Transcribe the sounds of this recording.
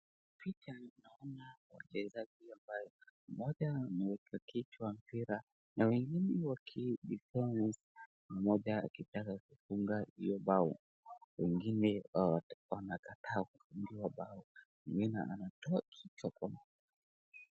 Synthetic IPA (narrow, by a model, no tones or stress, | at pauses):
pitanaɔnawa̰t͡ʃɛzaʄiambajɔamɔʄanɛwɛkʰakit͡ʃwam̩piɾa | nawɛŋɡinɛwakʰiɗiplɔmas | mamɔʄaa̰kitakakufuŋɡahḭjɔɓaɔ | wɛŋɡinɛawanakatʰaːkufundiwaɓaɔwɛŋɡinɛ̰ʔa̰natɔakʰit͡ʃwakwamaʄa